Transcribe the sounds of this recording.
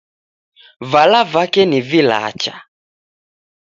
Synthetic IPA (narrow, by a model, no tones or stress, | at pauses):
valavakɛnivila̰t͡ʃa